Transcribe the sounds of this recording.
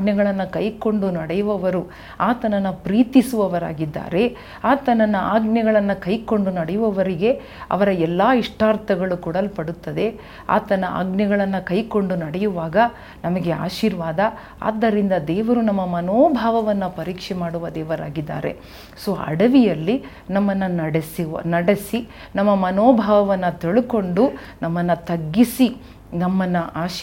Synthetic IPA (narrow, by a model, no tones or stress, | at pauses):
ɡnɛɡɐɭɐnːɐkɐjko̞ɳɖunɐɽɛjuʋɐʋɐɾu | aːt̪ɐnɐnːɐpɾiːt̪isuʋɐʋɐɾa̰ːɡid̪ːa̰ːɾe̞ | aːt̪ɐnɐnːɐaːɡnɛɡɐɭɐnːɐkɐjko̞ɳɖunɐɽɛjuʋɐʋɐɾiɡe̞ | ɐ̰ʋɐɾɐɛlːaːiʂʈaːɾt̪ʰɐɡɐɭukuɽɐlupɐɽut̪ːɐd̪e̞ | a̰ːt̪ɐnɐa̰ːɡnɐɡɐɭɐnːɐkɐjko̞ɳɖunɐɽɛjuʋaːɡɐ | nɐmɐɡe̞a̰ːʃiːɾʋaːd̪ɐ | a̰ːd̪ːɐɾind̪ɐd̪ɛːʋɐɾunɐmːɐmɐnoːbʱaːʋɐʋɐnːɐpɐɾiːkʂɛmaːɽuʋɐd̪ɛːʋɐɾaːɡid̪ːa̰ːɾḛ | soːʔɐ̰ɽɐʋijɐlːi | nɐmːɐnːɐnɐɽesinɐɽesi | nɐmːɐmɐnoːbʱaːʋɐʋɐnːɐt̪iɭuko̞ɳɖu | nɐmːɐnːɐt̪ɐɡːisi | nɐmːɐnːɐʔaːʃ